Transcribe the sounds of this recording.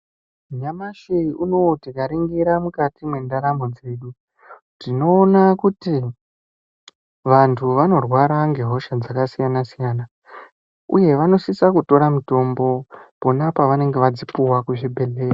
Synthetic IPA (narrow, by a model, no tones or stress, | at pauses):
ɲamaʃiiuno̞tikaɾiŋɡiɾamukatimwe̞ndaɾamo̞d͡ze̞ːɗu | dino̞ːnakuti | ʋantʰuʋano̞rwaɾaŋɡe̞ɦo̞ʃad͡zakasijanasijaːna | uje̞ʋano̞sisakuto̞ɾamuto̞mbo̞po̞napaʋane̞ŋɡe̞ʋad͡zipuwakuʐibʱe̞ɮe̞ːra